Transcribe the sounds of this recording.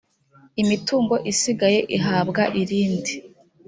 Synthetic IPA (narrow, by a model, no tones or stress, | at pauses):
imituːŋɡo̞ʔisiɡaje̞ʔiɦaːbɡaʔiɾiːndi